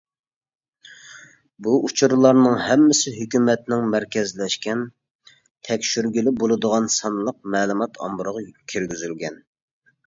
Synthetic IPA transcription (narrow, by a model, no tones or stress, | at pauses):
buut͡ʃʰuɾɨlˠɑɾnɨŋhɛmːɪsɪɦøkʲymɛt̪nɪŋmæɾkʲɛzlɛʃkʲɛn | t̪ʰɛkʲʃyɾɡʲilɪbolˠɨd̪əʁɑnsɑnlˠəq̚mɛːlˠumɑt̪ʰɑ̰mbʊɾəʁɑkʲʰiɾɡʲyzylɡʲɛn